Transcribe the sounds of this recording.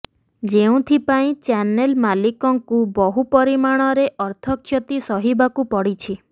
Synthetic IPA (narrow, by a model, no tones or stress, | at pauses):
d͡ʒeũt̪ʰipaĩt͡ʃanelmalikɔŋkubɔɦupɔɾimaɽ̃ɔɾeʔɔɾt̪ʰɔkʰːjɔt̪isɔɦibakupɔɽit͡ʃʰi